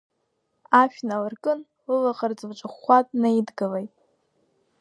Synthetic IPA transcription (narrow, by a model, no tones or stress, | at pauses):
aʃᶣnalɨrkʼɨn | lɨlaqard͡zɨvt͡ʃʷʼɨχʷatʼnaidɡɨlejtʼ